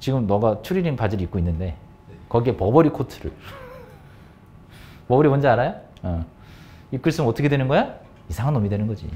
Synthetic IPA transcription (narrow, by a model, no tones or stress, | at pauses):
t͡ɕiɡɯmnʌɡat͡ɕʰuɾiɾiŋpad͡ʑɯɾik͈oinːɯnde̞ | kʌɡie̞pʌbʌɾikʰotʰɯ̥ɾɯ̰ɭ | pʌbʌɾiwʌnd͡ʑeaɾajoʌ | ik͈ɯɭs͈ɯnɯmʌt͈ʰʌkʰedwenɯnɡʌja | isʰaŋanːomidwe̞nɯnɡʌd͡ʑḭ